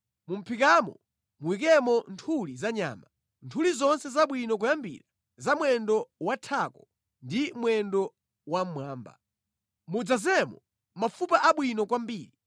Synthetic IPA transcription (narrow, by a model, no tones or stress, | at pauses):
mum̩pʰikamɔ̰ | muwik̬ɛmɔntʰulizaɲa̰ːma | ntʰulizɔnsɛzaɓwinɔk̬ujambḭɾa | zamwɛndɔwatʰakɔ̥ | ndimwɛndɔ | wam̩mwaːmba̰ | mud͡zazɛmɔ | mafupaʔaɓwinɔkwambiːɾi